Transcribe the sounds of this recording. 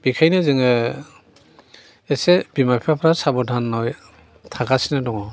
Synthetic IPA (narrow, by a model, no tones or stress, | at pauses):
b̥ikʰajnɯzɯŋɯ | ɛsebimapʰapʰɾasabɔdʱanːɔj | tʰakasinadɔŋɔ